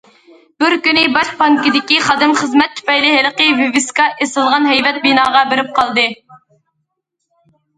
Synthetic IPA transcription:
bɪɾkʲynɪbɑʃpɑŋkʲid̪ɪkʲiχɑd̪ɨmχəzmɛt̪ʰːy̥pɛjlɪɦɛlˠəqəvevɪskɑʔesɨlˠʁɑnɦɛjvɛt̪̚binɑːʁɑbɪɾɪp̚qʰɑlˠd̪ɨ

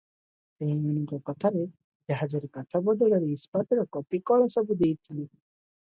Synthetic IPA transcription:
seɦiunikɔkɔt̪ʰaɾe | d͡ʒeɦad͡ʒeɾkaʈʰɔbɔd̪uɽaɾispat̪ɾakɔpikɔɭɔsɔbud̪ejt̪ʰili

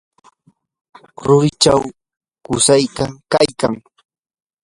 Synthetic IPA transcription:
ɾʊɢɪt͡ʃaw | kʊsajk̪akajkaŋ

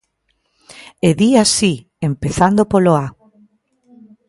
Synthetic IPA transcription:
eðiasi | empeθand̪opoloa

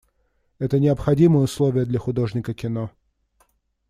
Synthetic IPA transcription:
ɛt̪ənʲɪɐpxɐdʲimɨjəʊslˠovʲɪjəd̪lʲɐxʊd̪o̞ʐnʲɪkəkʲɪno

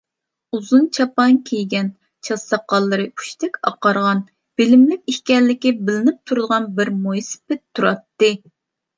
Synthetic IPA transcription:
uzunt͡ʃʰɑpɑŋkʲʰejɡʲɛn | t͡ʃʰɑsɑqːɑlˠːɨɾɨu̥ʃt̪ʰɛkʲɑ̰qɑɾʁɑn | b̥ɪlɪmlɪkʲihkʲɛllːɪkʲɪbɪlɪnɪp̚t̪ʰuɾd̪əʁɑnbɪɾmojsɪ̥pɪt̪ʰːuɾɑt̪ːɨ

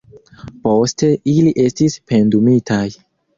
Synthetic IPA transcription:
po̞ste̞ʔiliʔe̞stispe̞ndumitʰaj

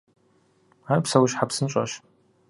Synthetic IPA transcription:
aːjpsɐwʊɕħapsɨnt͡ʃʼɐ̰ɕ

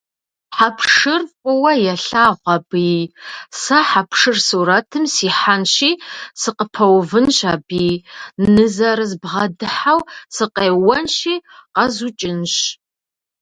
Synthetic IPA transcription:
ħapʰʂɨrkʷʼʊwɐjɛɬaːʁʷɐbiːsɐħapʰʂɨrsuɾɐtʰɨmsiːħanɕiːsɨqəpʰɐwvɨnɕabiːnɨzɐɾɨzbʁɐdɨħawsɨqeːwɐnʃiːqɐzut͡ʃʼɪnɕ

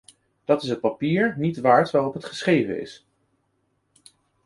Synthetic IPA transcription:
d̥ɑtɪsɦət̚papiːɹnitʋaːɹtʋaːrɔpɦətχəsχejvə̰ɪ̰s

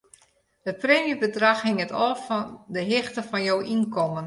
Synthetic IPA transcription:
dət̚preːmjybədraxhɪŋətʰɔːfɔndəɦɪxtəfɔnjowʔinkʰɔmən

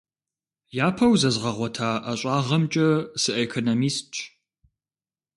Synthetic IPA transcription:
jaːpʰɐwzɐzʁɐʁʷɔtʰaːʔɐɕʷʼɑːʁɐmt͡ʃʼɐsɨʔekʰonomiːstt͡ʃʰʼ

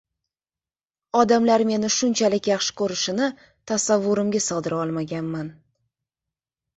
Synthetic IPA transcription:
ɒd̪amlaɾme̞nɪʃʊnt͡ʃʰalɪkʲjaχʃɪ̥kʰɵɾɪʃɪnɪ | t̪ʰasavːʊɾɪmɡʲasɒd̪ɪɾaɒlˠmaɡʲanman

